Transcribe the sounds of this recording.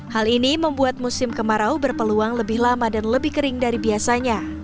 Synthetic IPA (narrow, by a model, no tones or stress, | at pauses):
haliniməmbuat̪̚musɪmkəmaɾaubərpəluaŋləbɪhlamadanləbɪhkəɾɪŋdaɾibiasaɲa